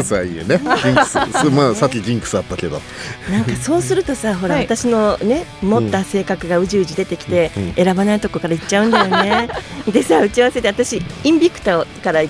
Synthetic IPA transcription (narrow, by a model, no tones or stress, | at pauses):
sɨaiːneɡʲĩŋkmaːsakʲːiɡʲĩŋkɯ̟̥sɨat̪ːake̞d̪o̞̰ | nãŋkaso̞ːsɨɾɯ̟t̪o̞saɦo̞ɾaat̪aɕino̞ne̞mot̪ːase̞ːkakɯ̟ɡaɯ̟ʑiɯ̟ʑid̪e̞t̪e̞kʲi̥t̪e̞eɾabanait̪o̞ko̞kaɾaitt͡ɕːaɯ̃nd̪ajo̞ne̞d̪e̞saːɯ̟t͡ɕiaβaset̪e̞at̪aɕiĩmbʲikɯ̟̥t̪okaɾa